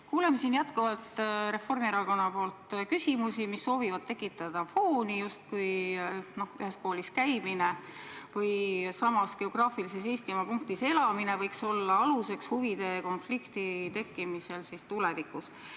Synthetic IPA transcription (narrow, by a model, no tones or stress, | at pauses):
kuːlemesinjæt̪kovɑlt̪re̞fo̞rmieɾɑko̞nːɑpo̞ːlt̪kysimusimisːo̞ːvivɑd̪̚t̪e̞kːˑit̪ːˑɑd̪̥ɑfo̞ːnijust̪̚kujno̞hyhe̞sko̞ːliskæjmine̞ | vɤjsɑmɑske̞o̞ɡ̥rɑːfilise̞seːst̪imɑpuŋk̚t̪ise̞lɑmine̞vɤjkso̞lːɑɑluse̞kshuvid̪̥e̞ko̞nflikt̪it̪e̞kːˑimise̞lsist̪ule̞vikˑus